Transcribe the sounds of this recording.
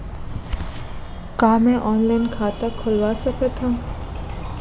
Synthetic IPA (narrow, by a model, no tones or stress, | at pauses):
kaːmɛ̃ʔɔːnlaɪnkʰaːt̪akʰʊlwaːsɐkət̪ʰã